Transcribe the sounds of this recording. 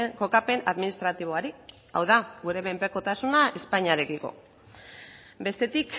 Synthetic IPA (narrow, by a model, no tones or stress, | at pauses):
ko̞kape̞naðminist̪ɾat̪iβ̞o̞aɾi | a̰wðaɡuɾe̞βempe̞ko̞t̪asunaʔespaɲiaɾe̞kiko̞̰ | be̞st̪e̞t̪ik